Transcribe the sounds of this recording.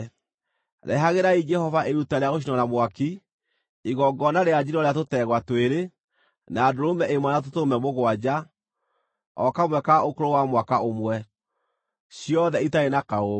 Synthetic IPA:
ɾʔɛ̰ɦaɣeɾaid͡ʒɛhɔvaʔeɾutaɾeaɣoʃ̬inɔnamwaki | iɣɔɡɔnaɾead͡ʒiɾɔɾejat̬otɛɣwatweɾe | naːdoɾomɛʔemwanat̬otomɛmoɣwad͡ʒa | ɔkamwɛkaokoɾowamwakaomwɛ | siɔðɛitaenakao

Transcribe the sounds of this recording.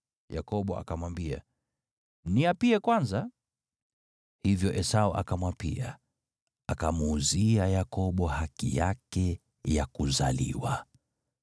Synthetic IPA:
ja̰kɔɓɔʔa̰kamwambia̰ | niapiɛkwanza | hivjɔʔɛsaɔʔa̰kamwapḭa | akamuːziajakɔɓɔhakḭjakɛ | jakuzalḭwa

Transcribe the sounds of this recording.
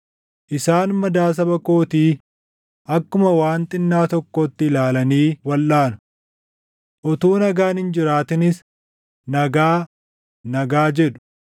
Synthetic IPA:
ʔɪsaːnmɐd̪aːs̬ɐbɐko̞ːt̪iː | ʔɐkːʊmɐwaːnt̪ʼɪnːaːt̪ɔkːɔt̪ːɪlaːlɐniːwɐlːaːnʊ̥ | ʔɔt̪uːnɐɡaːnhɪnd͡ʒɪɾaːt̪ɪnɪs | nɐɡaː | nɐɡaːd͡ʒɛᶑʊ̥

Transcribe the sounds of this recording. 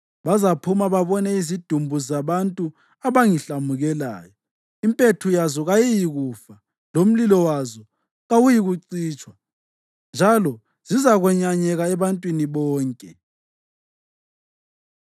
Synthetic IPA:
βazapʰumaβaβɔnɛizid̥ʱumbʱuzaβantʼu | aβaŋiɬamuɣɛla̰ːjɔ | impʼetʰujazɔɣajijiɣuːfa | lom̩lilɔwazɔ | ɣawujiɣuǀiːt͡ʃʼwa | nd͡ʒʱalɔ | z̥izaɣwɛɲaɲɛɣaɛβantʼwiniβɔːŋkʼɛ

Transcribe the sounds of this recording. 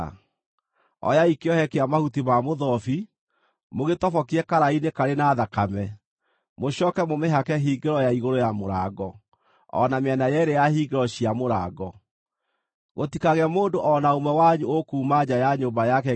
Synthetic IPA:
ɔ̰jaikeɔhɛkeamahutimamoðɔfi | moɣetɔfɔkiɛkaɾainekaɾenaːðakamɛ | moɕɔːkɛmomeɦakɛɦiːɡeɾɔjaiɣoɾojamoɾaɡɔ | ɔ̰nameɛnajɛɾejahiɡeɾɔɕiamoɾa̰ːɡɔ | ɣotikaɣɛmoːndoʔɔnaomɛwaɲuokuːmaɲajaɲoːmbajakɛ

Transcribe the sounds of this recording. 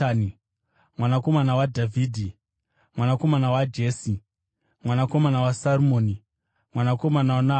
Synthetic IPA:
ni | mwanako̞manawadʱavʱiːdʱi | mwanako̞manawad͡ʒe̞ːsi | mwanako̞manawasarumoːni | mwanako̞manawna

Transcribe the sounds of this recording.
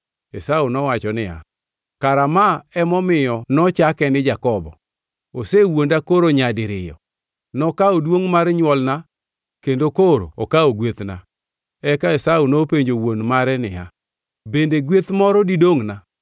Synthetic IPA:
esaunɔwat͡ʃɔnɪa̰ | kaɾamaɛmɔmɪjɔnɔt͡ʃakɛnɪd͡ʒakɔbɔ̰ | osewondakoɾoɲadɪɾɪjɔ̰ | nɔkaodwoŋmaɾɛɲwɔlna | kendokoɾo̰okaoɡwet̪na̰ | ɛkaesaunopeɲd͡ʒowonmaɾɛnɪja̰ | bendeɡwet̪mɔɾɔdidoŋna

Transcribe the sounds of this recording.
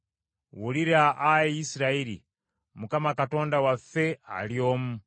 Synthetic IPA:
wuliɾaʔaiisɾaiɾḭ | mukamakatɔndawafɛa̰lioːmu

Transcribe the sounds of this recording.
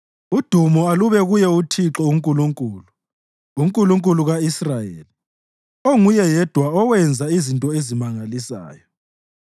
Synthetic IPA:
ud̥ʱumɔaluβɛɣujɛutʰiǁɔuŋkʼuluŋkʼuːlu | uŋkʼuluŋkʼuluɣaisrajḛːli | oŋujɛjɛd̥ʱwaɔwɛnd͡zʱaizintʼɔezimaŋalisa̰ːjɔ

